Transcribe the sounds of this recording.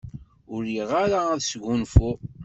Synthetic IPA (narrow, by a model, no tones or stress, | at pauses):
ʊɾiʁaɾaæðsɡunfu